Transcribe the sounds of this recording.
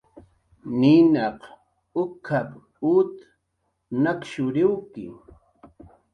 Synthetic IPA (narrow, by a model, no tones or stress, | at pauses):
ninɑq | ʊkʰap | ut̪ | nakʃʊɾɪwkɪ̰